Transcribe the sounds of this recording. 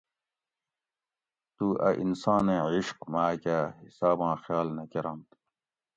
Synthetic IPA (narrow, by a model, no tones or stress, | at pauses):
t̪uːʔɐ̰ʔinsãːnẽʕiɕqmaːkahisaːbãːxjaːlnɐkeɾamt̪